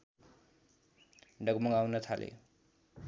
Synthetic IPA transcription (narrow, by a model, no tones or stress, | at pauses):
ɖʌɡmʌŋawnʌt̪ʰalʔḛ